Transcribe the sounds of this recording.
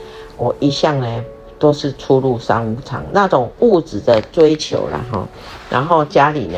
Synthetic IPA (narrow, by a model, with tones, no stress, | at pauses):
wɔ˨˩ʔi˨˦ɕja˥˨ŋne˨ | t̪o˥˦ʊʂ̩˥˨t͡sʰu˦lu˥˨sa̰˥˦ŋu˧˦t͡sʰɑ̰˨˦ŋna˥˨t͡so˨˩ŋu˥˧t͡sɹ̩˨˩d̪ə˨t͡swe˦˥ɪt͡ɕʰjo̰˨˧˥ʊla̰˨ɦɔ̰˥˨˩ | nʔa̰˧˦nɦo˥˧ʊt͡ɕja˦lḭ˨˩n